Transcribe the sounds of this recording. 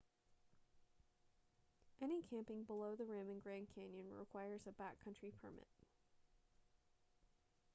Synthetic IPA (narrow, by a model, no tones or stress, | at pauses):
ʔɛñikʰæ̃mpɪ̃ŋbəloʊðɨɹæ̃mɨ̃nɡɹæ̃nkʰæ̃njɨ̃nɹɪ̰kʰw̥aɪə˞zɨbækʰʌ̃nt͡ʃɹ̥ipʰə̰˞mɪ̰t̚